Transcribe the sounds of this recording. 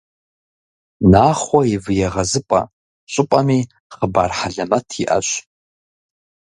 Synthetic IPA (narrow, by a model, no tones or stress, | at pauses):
naχwaivjaʁazɨpʼa̰ | t͡ʃʷʼʊpʼami | χəba̰rħaɮamatʰiʔa̰ʃʷʼ